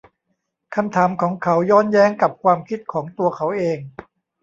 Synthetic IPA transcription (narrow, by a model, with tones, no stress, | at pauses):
kʰa˧mt̪ʰaː˩˦mkʰɔː˩˦ŋkʰa˩˦˥wjɔː˥˩njɛː˦˥˩ŋka˨˩p̚kʰwaː˧mkʰi˦˥t̪̚kʰɔː˩˦ŋt̪u˧ɐkʰa˩˦˥wʔeː˧ŋ